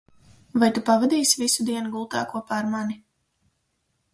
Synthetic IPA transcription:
vajt̪upavad̪iːsvisud̪iɛnuɡulˠt̪a̰ːkuɔpaːɾmani

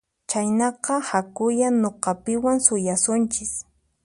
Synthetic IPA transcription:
t͡ʃajnɑqɑhakʊjaɲoqɑpɪwaŋsʊjasʊnt͡ʃɪs

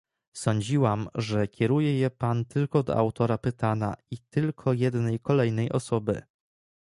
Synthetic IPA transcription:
sɔɲd͡ʑiwamʐɛkʲʰɛɾujɛjɛpant̪ɘlkɔd̪ɔ̰a̰wt̪ɔɾapɘt̪ana̰it̪ɘlkʰɔjɛd̪nɛjkɔlɛjnɛjʔɔ̰sɔbɘ̰

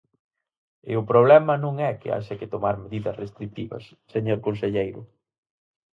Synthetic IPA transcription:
ɪ̰ʊpɾoβ̞lɛmɐnũŋɛkɪ̰a̰ʃɐkɪt̪omaɾmeðiðɐsrest̪ɾik̚t̪iβɐ̰sːeɲoɾkonseʎejɾʊ̰

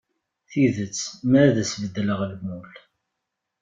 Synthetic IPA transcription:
θiðət͡sːmæɾðəsvəd̪ːləʁlmul

